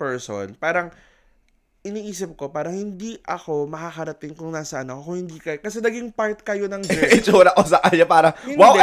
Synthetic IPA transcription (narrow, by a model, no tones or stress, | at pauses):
pɛɹso̰npaːɾɐŋ | ʔɪniːʔiːsɪp̚ko̞paːɾɐŋhɪnd̪iʔɐko̞mɐkakɐɾɐt̪ɪŋkʊŋnaːsɐʔɐnɐkokʊŋhɪnd̪iːkɐkɐsɛnɐɡiŋpaɹt̪̚kɐjo̞nɐŋd͡ʒɛɪt͡ʃoːlɐkosɐkɐɲapaːɾɐŋwaw